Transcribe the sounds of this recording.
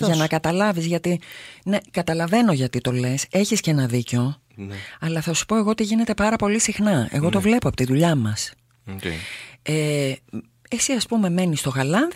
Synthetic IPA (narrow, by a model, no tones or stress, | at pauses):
ʝɐnɐkɐt̪ɐlɐvizʝɐt̪ine̞kɐt̪ɐlɐve̞no̞ʝɐt̪it̪o̞le̞se̞çiscenɐðiceo̞ | ɐlɐθɐsu̥po̞e̞ɣo̞ot̪iʝine̞t̪e̞pɐɾɐpo̞lisixnɐe̞̰ɣo̞t̪o̞vle̞poɐpo̥t̪iðuʎɐmɐs | e | esiɐspume̞me̞nist̪o̞ɣɐlɐnð